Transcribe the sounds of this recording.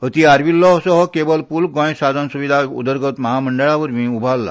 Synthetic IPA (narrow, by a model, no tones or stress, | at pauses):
ɦət̪iaɾʋilːɔsɔɦɔkebəlpulɡɔ̃jsad̪ʱənsuʋid̪ʱaṵd̪əɾɡʱət̪məɦaməɳɖəɭaʋəɾmiːubʱalːa̰